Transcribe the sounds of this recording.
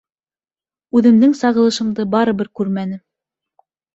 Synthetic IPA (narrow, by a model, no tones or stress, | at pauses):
ʉðɘ̆md̪ɘŋsɑʁɤ̆lˠɤ̆ʃɤ̆md̪ɤbɑɾɤ̆bɘɾkʉɾmænɘ